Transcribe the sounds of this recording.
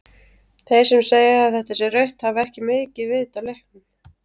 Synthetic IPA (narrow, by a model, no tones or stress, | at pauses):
θej̥sɛmseːjɪaðθɛht̪asɛrœɥht̪havɛhcɪmɪːcɪvɪðɪt̪awlehknʏm